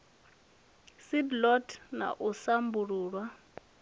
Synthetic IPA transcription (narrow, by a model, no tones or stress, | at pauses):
sidlɔtʰna̰ʔusambuɺuːɺwa